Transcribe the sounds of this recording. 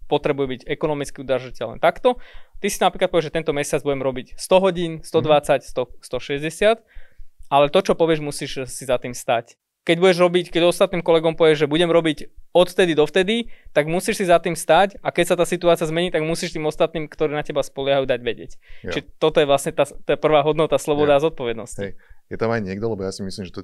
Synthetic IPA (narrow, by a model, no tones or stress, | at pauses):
pɔt̪ɾɛbujɛbiɟɛkɔnɔmit͡skiud̪ɾrʒacɛlnɛ̰t̪akt̪ɔt̪isinapɾiklat̪pɔʋɛʒɛt̪ɛnt̪ɔmɛsɪad͡zbuɟɛmɾɔbicst̪ɔɦɔɟiːnst̪ɔd̪ʋat͡sacst̪ɔst̪ɔʃɛzɟɛsɪat̪ʔalɛt̪ɔt͡ʃɔpɔʋɪɛʒmusiːʃsizat̪iːmst̪ac | kɛɟbuɟɛʒɾɔbickɛɟɔst̪at̪̚niːmkɔlɛɡɔmpɔʋɪɛʒʒɛbuɟɛmɾɔbicɔt̪ft̪ɛd̪id̪ɔft̪ɛd̪it̪aɡmusiːʃsizat̪iːmst̪acakɛcsat̪aːsit̪uaːt͡siɪazmɛɲiːt̪aɡmusiːʃt̪iːmɔst̪at̪niːmkt̪ɔɾiːnacɛbaspɔlɪaɦajuːd̪aɟʋɛɟɪɛct͡ʃiʒɛt̪ɔt̪ɔjɛʋlasɲɛt̪aːt̪ɔjɛpr̩ʋaːɦɔd̪nɔt̪aslɔbɔd̪aːzɔt̪̚pɔʋɛd̪nɔscijɛt̪amajɲɪɛɡ̚d̪ɔlɛbɔjasimislimʒɛt̪ɔ